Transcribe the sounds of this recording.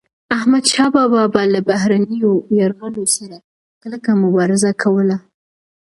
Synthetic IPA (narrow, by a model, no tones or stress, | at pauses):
ahmad̪ʃɑbɑbɑbɑlabaɦɾanəjojaɾɣəlosaɾa | kələkamʊbɑɾɪzakʰawəla